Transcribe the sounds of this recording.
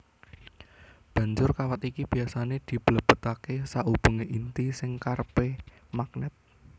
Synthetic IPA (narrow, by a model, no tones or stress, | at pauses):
b̥ä̤ɲd͡ʒʊrkawat̪ikib̥i̤asaned̪̥i̤b̥ələb̥ə̤t̪akesaʔub̥uŋeʔint̪isɪŋkarpe | mak̚nɛt̪̚